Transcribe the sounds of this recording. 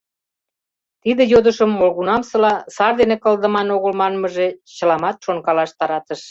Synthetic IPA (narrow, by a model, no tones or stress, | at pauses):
t̪id̪ĕjod̪əʃəmːolɣunɑmsɤ̆lɑsɑrd̪enekə̆ld̪ə̆mɑnoɣəlmɑnməʒet͡ɕə̆lɑmɑt̪ʃoŋkɑlɑʃt̪ɑɾɑt̪əʃ